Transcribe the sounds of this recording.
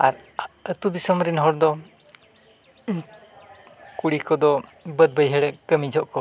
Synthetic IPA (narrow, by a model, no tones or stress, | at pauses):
a̰ɾət̪ud̪isɔmɾinɦɔɽd̪ɔ | kuɽikɔd̪ɔbəd̪̚bəjɦɛɽɛʔkəmid͡ʒʱɔʔkɔ